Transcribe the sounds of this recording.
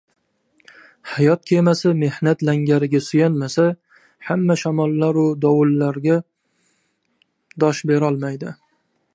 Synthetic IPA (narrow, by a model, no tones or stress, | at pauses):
hajɒt̪̚kʲʰe̞masɪme̞hnat̪laŋɡʲaɾɪɡʲasʊjanmasa | hamːaʃamɒlˠːaɾʊd̪ɒwʊlːaɾɡʲa | d̪ɒʃbe̞ɾɒlˠmajd̪ɪ